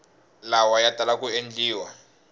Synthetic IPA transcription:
lawajad̥ʱalakʼuend͡ɮiːwa

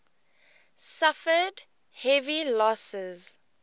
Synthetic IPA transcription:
safəd | hɛvilɔsɪz̥

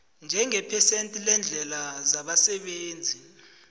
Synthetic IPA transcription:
nd͡ʒʱɛŋɛpʰɛsentʼilɛnd͡ɮʱɛlazaɓasɛɓeːnd͡zʱi

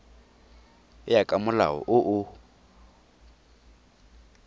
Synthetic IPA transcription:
ɪjakʼamʊla̰ɦɔ̰ʔʊʔʊ

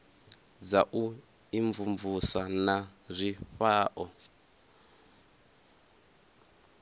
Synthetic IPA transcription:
d͡zaʔu | iɱvuɱvusanazʷiɸaːʔɔ

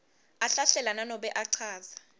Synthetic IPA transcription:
aɬaɬɛlananɔɓɛʔaǀʰaːza

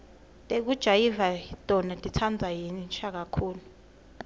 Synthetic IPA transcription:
tʼek̬ud̥ʒ̥ʱajivatʼɔnatʼitʰand͡zʱajinnt͡ʃʰʼak̬akʰuːlu

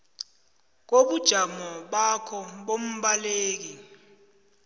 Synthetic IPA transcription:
k̬oɓud̥ʒ̥ʱamɔɓakʰɔɓom̩ɓaleːk̬i

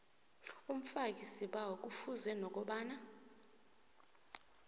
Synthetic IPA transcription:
um̩fakʼisiɓawok̬ʼufuzɛnɔk̬ʼɔɓaːna

